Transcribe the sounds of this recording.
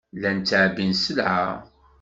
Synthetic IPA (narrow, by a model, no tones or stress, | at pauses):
lænt͡s̪ːəʕbinsəlʕa̰